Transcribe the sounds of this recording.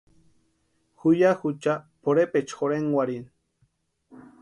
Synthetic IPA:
xujaxut͡ʃapoɾepet͡ʃxoɾeŋwaɾin

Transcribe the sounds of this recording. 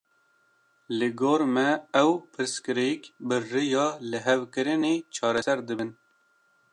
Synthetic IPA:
lɨɡoːɾmɛɛwpʰɨɾskɨɾiːkbɨrɨjɑːlɨɦɛwkɨɾɨneːt͡ʃʰɑːɾɛsɛɾd̪ɨbɨn

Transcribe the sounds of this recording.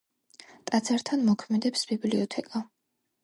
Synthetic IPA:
t̪ʼad̪zaɾt̪ʰanmɔkʰmɛd̪ɛpsbibliɔt̪ʰɛkʼa

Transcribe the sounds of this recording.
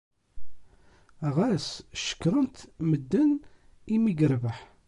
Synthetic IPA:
ʁæsʃə̥kːɾˤənt̪məd̪ːənimiɡəɾvəħ

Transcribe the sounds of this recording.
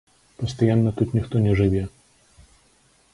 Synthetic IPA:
pəst̪ɐjanːət̪ut̪nʲɪxt̪ɔnʲɪʐɨvʲe

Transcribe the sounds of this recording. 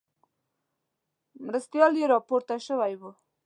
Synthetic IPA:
mɾəst̪jɑljeɾɑpoɾt̪aʃəwajwu

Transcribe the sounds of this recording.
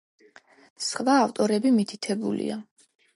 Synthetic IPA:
sχvaːft̪ʼɔɾɛbimit̪ʰi̥t̪ʰɛbṵlḭa

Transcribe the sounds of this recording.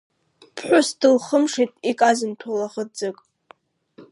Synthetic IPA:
pʰħʷʊsdɨlχəmʂejtʼikʼazɨmtʰolaχəd͡zɨkʼ

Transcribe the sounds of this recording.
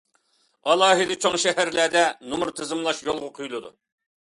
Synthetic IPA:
ɑlˠɑːɦɨd̪ɨt͡ʃʰoŋʃɛhæɾlæd̪ɛnumuɾt̪ʰɨzɨmlˠɑʃjolˠʁɑqʰujlˠɨd̪ṵ

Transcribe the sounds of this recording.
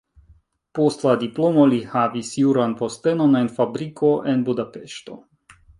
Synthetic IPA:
postladiplomo̞lihavisjuɾanpo̞stenonenfabɾikʰo̞ʔenbudapeʃto̞̰

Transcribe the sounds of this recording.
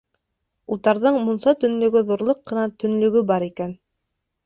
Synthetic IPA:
ut̪ɑɾðɤɴmunsɑt̪ɵ̆nlɵ̆ɡɵðuɾlˠɤqːɤ̆nɑt̪ɵ̆nlɵ̆ɡɵbɑɾikæn

